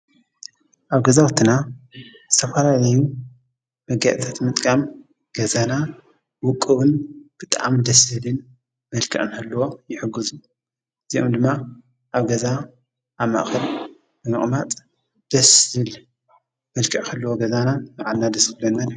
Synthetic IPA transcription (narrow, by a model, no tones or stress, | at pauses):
ʔaβɡɐzawɐt̪ʰːɨna | zɨt̪ʰɐfɐlalɐju | mɐɡaʔ̪ʼit̪ʰat̪mɨt̪ʼkʼam | ɡ̥ɐzana | wʊkʼːɨwɨnb̥ɨt̪ʼa̰md̪ɐsɨlɨn | mɐlkʰɨʔʼɨnkʰɐlːɐwo̞jɪħɨɡːɨzu | ɨzio̰md̪ɨmːa | ʔaβɡɐza | ʔaβma̰ʔxɐl | bɨmɨχʼmat̪ʼ | d̪̥ɐszɨɨl | mɐlkʰɨʕkʰɐlːɐwoɡɐzanamaʕalnad̪ɐskɨlɐnːad̪